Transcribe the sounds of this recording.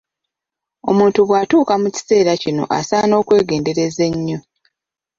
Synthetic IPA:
o̞muːntuβwaːtuːkamuci̥se̞ːɾacino̞̰ʔa̰saːno̞ːkwe̞ːɡe̞ːnde̞ɾe̞ze̞ɲːo̞

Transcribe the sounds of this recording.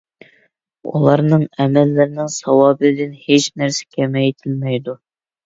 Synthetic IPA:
ṵlˠɑɾnɨŋɛmɛlːɪɾɪnɪŋsɑwɑːbɨd̪ɪnhet͡ʃnæɾsɛ̥kʲʰɛmɛjt̪ʰɪlmɛjd̪u

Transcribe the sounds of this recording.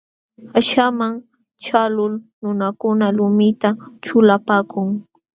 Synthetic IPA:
aʃamaŋ | t͡ʃalʊlnʊnakʊnalʊmɪt̪at͡ʃʊlapaːkʰʊŋ

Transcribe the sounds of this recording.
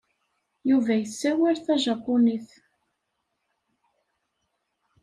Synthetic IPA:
juvæjəsːæwiɾθæʒɑpːʊniθ

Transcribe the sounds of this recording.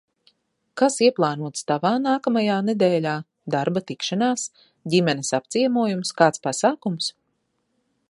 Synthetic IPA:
kasiɛplˠɑːnuɔt̪st̪avaːnaːkamajaːned̪ɛːlʲaː | d̪aɾbat̪ikʃanaːs | ɟʲimɛnesap̚t̪siɛmuɔjumskaːt̪spasaːkums

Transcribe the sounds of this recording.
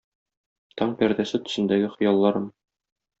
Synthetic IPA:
t̪ɒɴpæɾd̪æsɘt̪ɵ̥̆sɘ̆nd̪æɡɘχɤ̆jɑlˠːɑɾɤm

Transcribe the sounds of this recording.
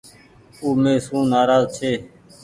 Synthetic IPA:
uːmeːsũːnaːɾaːzt͡ʃʰeː

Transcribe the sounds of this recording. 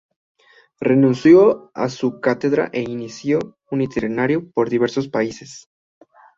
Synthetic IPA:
re̞nũnsjoa̰sukat̪e̞ðɾa̰ʔe̞inisjo̞ | unit̪ʰeɾenaɾjopo̞ɾðiβ̞e̞ɾso̞s̬paise̞s

